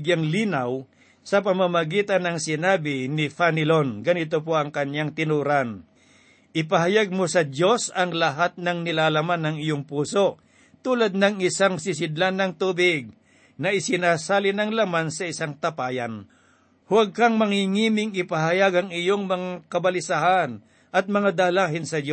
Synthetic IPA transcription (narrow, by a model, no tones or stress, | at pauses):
ɡjaŋliːnaw | sɐpɐmamɐɡiːt̪anɐŋsɪnaːbɪnɪfanɪlonɡɐnit̪opoʔɐŋkɐɲjaŋt̪ɪnuɾan | ʔɪpɐɦajaɡ̚mosɐdjo̞sɐŋlɐɦat̪̚nɐŋnɪlaːlamanːɐŋɪjoŋpuːso̞ | t̪uːlad̪̚nɐŋɪsaŋsɪs̬ɪd̪lanːɐŋt̪uːbɪɡ̚ | nɐʔɪsɪnaːsaːlɪnɐŋlamansɐɪsaŋt̪ɐpaːjan | hʊwaɡ̚kɐŋmɐŋiŋiːmɪŋɪpɐɦɐjaɡɐŋɪjoŋmɐŋakɐbɐlɪsahan | ʔɐt̪̚mɐŋad̪aːlaːɦɪnsɐdo